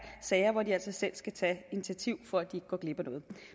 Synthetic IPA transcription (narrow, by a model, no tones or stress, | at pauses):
sɛɪɐʋɒdiæl̰sɒ̽sel̰sɡ̥æt͡sʰɛinit͡sʰiæt͡sʰiʊ̰fɒ̽æd̥ie̝ɡ̥əɡ̥ɒːɡ̥le̝b̥ɐnɔ̽ːð̞̩ˠ